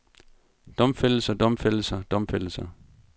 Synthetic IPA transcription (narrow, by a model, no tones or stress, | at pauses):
d̥ɒ̽mfel̰̩sɐd̥ɒ̽mfel̰sɐd̥ɒ̽mfel̰sɐ